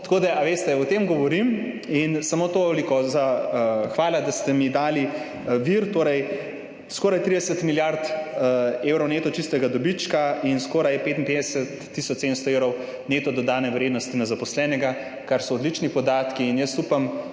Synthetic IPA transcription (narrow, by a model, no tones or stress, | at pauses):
t̪ḁkoːd̪aʔaʋeːst̪ɛɔt̪emɡɔʋɔɾim | insamot̪oɔlikɔzaxʋaːlad̪ast̪ɛmid̪aːli | ʋiɾt̪oːɾɛj | skɔːɾajt̪ɾid̪ɛsət̪miljaɾt̪ | ewɾɔwneːt̪ɔt͡ʃist̪ɛɡad̪ɔbit͡ʃkainskɔːɾajɛpeːt̪inped̪ɛsɛt̪ːisɔt͡ʃseːd̪ənst̪ɔeːwɾɔw | neːt̪ɔd̪ɔd̪aːnɛʋɾeːd̪nɔst̪inazapɔslɛːnɛɡa | kaɾsɔːd̪lit͡ʃnipɔd̪aːt̪kiːnjəst̪upam